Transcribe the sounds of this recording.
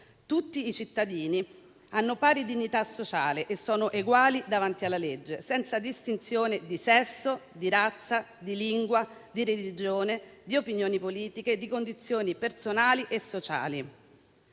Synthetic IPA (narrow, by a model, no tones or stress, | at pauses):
t̪ut̪ːiːt͡ʃit̪ːad̪iːni | anːopaːɾid̪iɲːit̪asːot͡ʃaːleʔesːɔːnoʔeɡwaːlid̪avant̪ialːaled͡ʒːesɛnt̪sad̪ist̪int̪sjoːned̪isɛsːod̪iɾat̪sːa | d̪iliŋɡwad̪iɾelid͡ʒoːned̪iopinjoːnipoliːt̪iked̪ːikond̪it̪sːjoːnipersonaːliʔesːot͡ʃa̰ːli